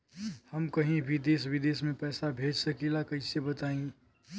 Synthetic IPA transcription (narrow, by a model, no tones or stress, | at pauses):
həmkəɦĩbʱid̪eːswɪd̪eːsmẽpɛːsabʱeːd͡ʒsəkelakɐɦisebət̪aːĩ